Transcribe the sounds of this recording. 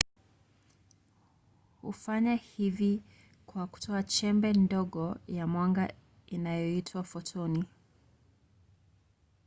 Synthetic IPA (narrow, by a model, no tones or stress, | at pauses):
hṵfaɲahivi | kwaku̥tʰɔat͡ʃɛmbɛndɔɠɔjamwaŋɡa | inajɔitʰwafɔtʰɔni